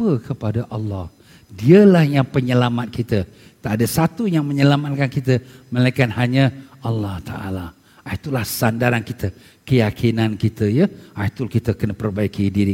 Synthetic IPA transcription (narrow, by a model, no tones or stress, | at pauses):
pəkəpadaʔɑlːɔh | diəlahjaŋpəɲəlamat̪̚kit̪ə | t̪aʔdəsat̪ujaŋməɲəlamat̪̚kankit̪əməlajkanhaɲəɑlːɔht̪a̰ʔa̰la | ʔait̪ulahsandaɾankit̪ə | kəjakʰinankit̪əjəajt̪ulkit̪əkənəpərbaikidiɾi